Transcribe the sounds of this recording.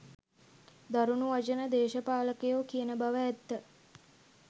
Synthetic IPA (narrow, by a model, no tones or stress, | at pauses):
d̪aɾunuʋat͡ʃənəd̪eːʃəpaːləkejoːkijənəbaʋəɛt̪ːə